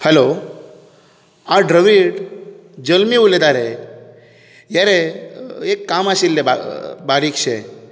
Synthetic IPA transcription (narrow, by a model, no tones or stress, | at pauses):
həlo | ãɖɾəʋiʈ | d͡ʒəlmiuled̪aɾe | jaɾe | ekːamaʃilːeba̰baɾik̚t͡ʃʰe